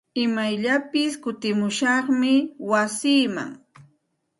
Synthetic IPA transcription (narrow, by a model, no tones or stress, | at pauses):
ɪmajʎapɪskʊt̪ɪmʊʃɑχmɪwasiːma̰ŋ